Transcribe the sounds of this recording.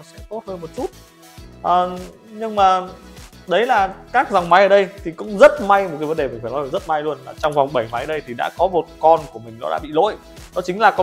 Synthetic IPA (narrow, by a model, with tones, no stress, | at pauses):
sɛ̰˧˥t̪o˦˥t̚həː˧nmo˨˩t̚t͡ɕu˦˥t̚ | ʔəː˨˩ | ɲɨ˧ŋmaː˨˩ | ɗə˨˦jlaː˨˩kaː˦˥k̚za˨˩wŋ͡mma˨˦jʔəː˧˨˩ɗə˧jt̪ʰi˨˩kʊ̰˧˥ŋ͡mzə˦˥t̚ma˧jmo˨˩t̚ka˨˦jvə˨˦nɗe˨˩mi̟˨˩faː˧˩nɔ˨˦˨zə˦˥t̚ma˧jlu˧ənlaː˨˩t͡ɕɔ˧wŋ͡mva˨˩wŋ͡mɓə˧˩jma˨˦jə˨˩ə˧jt̪ʰi˨˩ɗa̰ː˧˥kɔ˨˦mo˨˩t̚kɔ˧nku˧˩əmï˨˩ŋ̟ɗɔ̰˨˦ɗa̰ː˧˥ɓḭ˧˨lo̰˧˥j | ɗɔ˨˦t͡ɕï˨˦ŋ̟laː˨˩kɔ˨˦